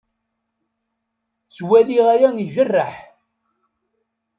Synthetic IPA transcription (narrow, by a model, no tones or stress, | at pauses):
swæðiʁæjæniʒərːəħ